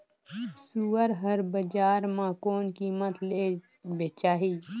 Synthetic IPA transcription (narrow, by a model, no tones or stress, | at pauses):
suːəɾɦəɾbəd͡ʒaːɾmãːkoːnkiːmət̪le | beːt͡ʃaːɦiː